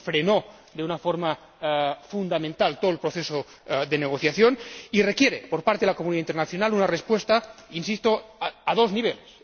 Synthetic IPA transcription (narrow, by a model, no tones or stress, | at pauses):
fɾeno | d̪eunafoɾma | fund̪amẽnt̪alt̪oelpɾoθeso | ðeneɣ̞oθjaθjonirekjeɾepoɾpaɾt̪eelakomuniðaint̪eɾnaθjo̞nalunarespwest̪ainsist̪oaðo̞zniβ̞eles